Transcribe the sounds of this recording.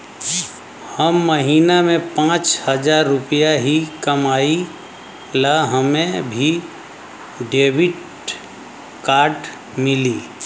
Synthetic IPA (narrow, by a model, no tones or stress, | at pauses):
həmːəɦiːnamẽpãːt͡ʃhəd͡ʒaːɾːʊpijaɦikəmaːi | laɦəmẽbʱi | ɖeːbɪʈ | kaːɾʈ | mɪliː